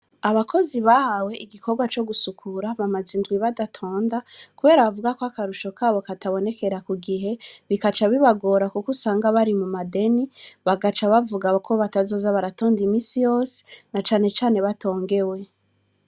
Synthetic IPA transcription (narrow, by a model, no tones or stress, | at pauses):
aβakʰo̞ziβahawe̞ʔiɡiko̞ɾɡwat͡ʃo̞ɡusukʰuɾaβamazindɡwiβadatʰo̞ːndakuβe̞ːɾaβavuɡakoakaɾuʃo̞kʰaβo̞kataβo̞ne̞ke̞ɾakuɡiɦe̞βikat͡ʃaβiβaɡo̞ɾakukusaːŋɡaβaɾimumade̞niβaɡat͡ʃaβavuɡakʰo̞βatazo̞ːzaβaɾato̞ːndimiːsijo̞ːse̥nat͡ʃaːne̞t͡ʃaːne̞βato̞ːŋɡe̞we̞